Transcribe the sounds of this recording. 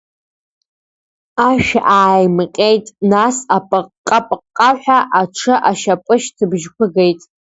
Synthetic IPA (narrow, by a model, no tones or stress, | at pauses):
aʃᶣaʔaːjmqʲʼejtʼnasapʼɨqʼːapʼqʼːaħʷᶣaʔaʈ͡ʂʰɨʔaʃapʼɨʃtʰɨbʒkʷʰʊɡe̞jtʼ